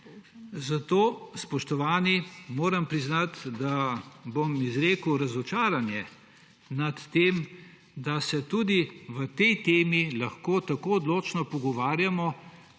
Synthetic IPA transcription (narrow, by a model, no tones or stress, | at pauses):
zat̪oːspɔʃt̪ɔʋaːnimoːɾampɾiznat̪d̪abomizɾeːkuwɾɐzɔt͡ʃaːɾanjɛ | nat̪ːem | d̪asɛt̪uːd̪iʋət̪ɛjt̪eːmilaxkoːt̪akoːɔd̪loːt͡ʃnɔpɔɡɔʋaːɾjamɔ